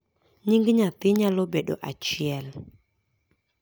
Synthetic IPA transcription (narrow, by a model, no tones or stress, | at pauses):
ɲiŋɡɲat̪ɪɲalobeɗo̰ʔat͡ʃɪɛl